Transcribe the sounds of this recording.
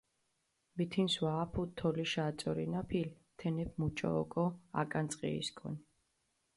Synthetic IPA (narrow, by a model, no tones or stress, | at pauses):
bit̪ʰinswaːpʰut̪ʰːɔliʃaːt̪sʼɔɾḭnapʰil | t̪ʰɛnɛp̚ʰmut͡ʃʼɔ̰ːkʼɔa̰kʼant̪sʼqʼḭḭskʰʼɔ̰n